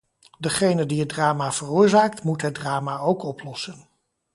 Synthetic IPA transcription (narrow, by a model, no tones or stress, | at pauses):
dəχejnədiɦət̚draːmav̥ərʊːɹzaːktmutɦəd̚draːmaːowkɔplɔsən